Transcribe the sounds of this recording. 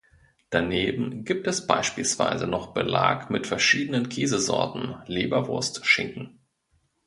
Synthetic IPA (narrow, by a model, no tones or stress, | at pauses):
d̥aneːbm̩ɡiːp̚tɛsb̥aɪʃpiːlsv̥a̰ɪzənɔχb̥əla̰ːkmɪtfɛɐʃiːdənənkʰeːzəzɔ̰ɐtn̩leːbɐvʊɐstʃɪŋkŋ̩